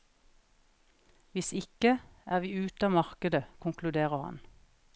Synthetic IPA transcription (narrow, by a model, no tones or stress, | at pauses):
ʋɪsɪkəæːʋiːʉːt̪ɑːmɑʁkəd̪əkʰʊŋklʉd̪eːʁəhɑ̰n